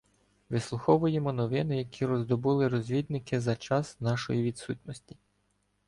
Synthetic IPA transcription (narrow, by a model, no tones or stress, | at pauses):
ʋɪslˠʊxɔʋʊjemɔnɔʋɪnɪjɐkʲʰiɾɔzd̪ɔbulˠɪɾɔzʲʋʲid̪nɪkɪzɐt͡ʃɑsnɑʃɔ̰jiʋʲid̪sut̪ʲnɔsʲtʲi̥